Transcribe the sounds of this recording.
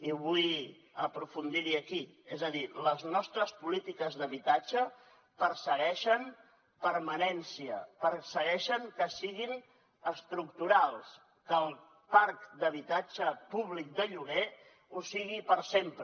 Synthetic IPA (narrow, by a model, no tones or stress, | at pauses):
iβuj | əpɾufund̪iɾiəkiezəðiləznɔst̪ɾəspulit̪ikəzðəβit̪ad͡ʒə | pəɾsəɣɛʃən | pəɾmənɛnsiəpəɾsəɣɛʃəŋkəsiɣin | əst̪ɾuk̚t̪uɾalˠs | kəlˠ | paɾkd̪əβit̪ad͡ʒəpuβlik̚d̪əʎuɣe | usiɣipəɾsempɾ